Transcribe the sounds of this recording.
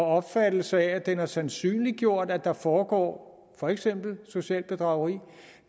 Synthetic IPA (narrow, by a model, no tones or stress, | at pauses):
ɒɒ̽b̥fæd̥l̩səææd̥enæɐsænsy̰ːnliɡ̥jo̝ɐ̰d̥æd̥ɑ̈fɒːɡ̥ɒ̰ː | fɒ̽eɡ̥sem̰b̥l̩so̝ɕɛ̰ːlb̥e̝d̥ʁɑ̈ʊʁḭː